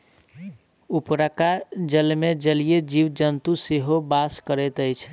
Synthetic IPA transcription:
upɾəkad͡ʒəlmed͡ʒəlijed͡ʒiwd͡ʒənt̪useɦobaskəɾɛt̪əjt͡ʃʰ

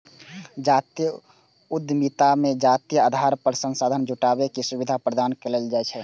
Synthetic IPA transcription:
d͡ʒat̪ijə | ud̪ʱːmit̪amẽd͡ʒat̪ijəad̪ʱaːɾpəɾsə̃nsaːd̪ʱənd͡ʒʱuʈabekisubid̪ʱapɾəd̪aːnkeleld͡ʒaɛt͡ʃʰɛ

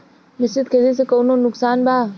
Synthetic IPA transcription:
mɪsɪd̪kʰed̪es̬ekoːnoːnʊksaːnbʱaː

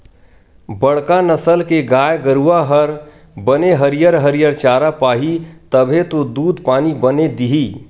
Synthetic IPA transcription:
bəɽkanəsəlkeɡaːjɡəɾuaɦəɾ | bəneɦəɾijəɾɦəɾijəɾt͡ʃaːɾapaːɦit̪əbʱet̪od̪uːd̪ʱpaːnibəned̪iɦi

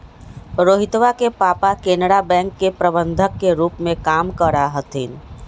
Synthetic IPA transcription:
ɾoːɦɪt̪ʋakepaːpakenɽabɛ̃ːŋkːepɾəbə̃nd̪ʱəkːeɾuːpmẽkaːmkəɾaɦət̪ʰiːn

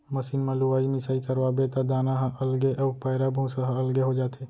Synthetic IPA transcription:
mɐsiːnmãluaːimɪsaːikɐɾʋabet̪ad̪aːnaɦʔɐlɡeʔɐpaːɪɾabũsəɦaɐlɡeɦod͡ʒaːt̪ʰeː

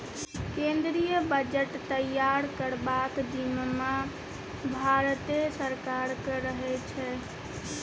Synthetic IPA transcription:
kẽnd̪ɾijəbəd͡ʒəʈt̪əjaɾkəɾbakd̪imma | bʱaɾt̪esəɾkaɾkəɾəɦɛt͡ʃʰɛ

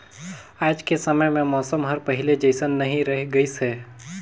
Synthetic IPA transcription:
aːd͡ʒkesɐməjmẽmɔːsəmɦɐɾpɐɦɪled͡ʒəɪsənːɐɦĩɾɐɦɡəiseː

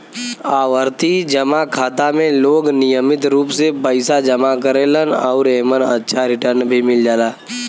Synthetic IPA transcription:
aːʋəɾt̪id͡ʒəmakʰaːt̪amẽloːɡnɪjəmɪt̪ɾuːpsepəɪsad͡ʒəmakəɾeːlənɔʊɾeːmənə̰tːʃʰaɾɪʈəɾnbʱimɪld͡ʒaːlaː

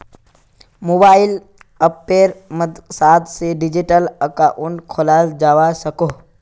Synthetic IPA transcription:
moːbaːɪl | əpːeːɾməd̪saːd̪seɖɪd͡ʒiʈələkaʔʊnkʰolaːld͡ʒaːʋasəko

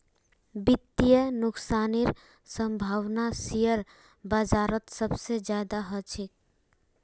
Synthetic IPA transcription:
bɪt̪ːijənʊksaːniɾ | sə̃mbʱaːʋnasijəɾ | bəd͡ʒaːɾət̪səbsed͡ʒjaːd̪aɦət͡ʃʰɪk̚

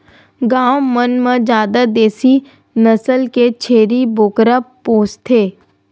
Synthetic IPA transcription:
ɡaːwmənmẽd͡ʒjaːd̪ad̪eːsi | nəsəlket͡ʃʰeːɾiboːkɾəpoːst̪ʰeː

